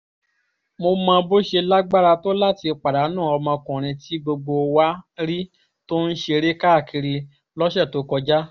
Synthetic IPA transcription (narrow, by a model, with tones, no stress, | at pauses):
mo˧mã˧bo˦ʃe˧la˦ɡ͡ba˦ɾa˧to˦la˦ti˧k͡pa˨da˨˦nã˦˨ɔ˧mã˧kũ˨ɾ̃ĩ˧ti˦ɡ͡bo˧ɡ͡bo˧wa˦ɾi˦ | to˦n̩˦ʃe˧ɾe˦ka˦˨ki˧ɾi˧ | lɔ˦ʃɛ˦˨to˨˦kɔ˧d͡ʒa˦